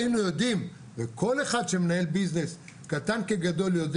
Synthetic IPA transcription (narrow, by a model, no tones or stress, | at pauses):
inujod̪im | vekʰoleχad̪ʃemenaelbiznes | kat̪ankeɡad̪o̞ljod̪